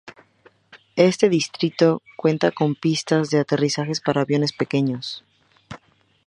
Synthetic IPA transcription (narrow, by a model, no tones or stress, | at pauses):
e̞st̪e̞ðist̪ɾit̪o̞kwe̞nt̪ako̞mpist̪azðe̞at̪e̞risaxe̞spaɾaːβjo̞ne̞spe̞ke̞ɲo̞s